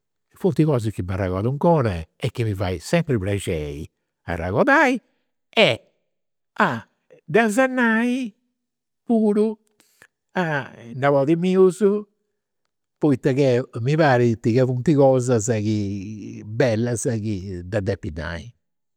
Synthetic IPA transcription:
funt̪iɣɔːzikːimarːaɣɔ̰ðuŋkɔːnɛɛkːimiva̰isɛmpɾiplɛd͡ʒɛːḭ | a̰rːa̰ɣɔðaːi | ɛ | a | d̪azanːaːi | puːɾu | anavɔðimiːuzu | pɔjt̪ːakɛmiβaːɾit̪iɣɛfunt̪iɣɔːzazaki | bɛlːazakid̪ad̪ɛpːinːa̰i

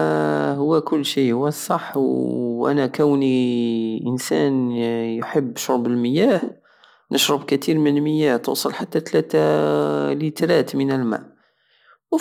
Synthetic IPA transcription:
hʊwːækʊlːʃihʊwæsˤɑħːwʔæ̰nækæwniʔənsæ̰njħəbːʃoɾbəlməjæh | nʔəʃɾəbkæt̪iɾmənəlməjːæht̪ṵsˤəlħat̪ːæt̪læt̪æ | lit̪ɾæt̪mənəlmæ̰ʔ | w

